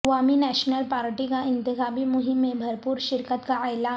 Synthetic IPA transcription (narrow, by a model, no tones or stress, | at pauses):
ʋaminɛɕnəlpaɾʈikaɪnt̪iɦabiːmuɦimːebʱəɾpuːɾɕiɾkət̪kaajla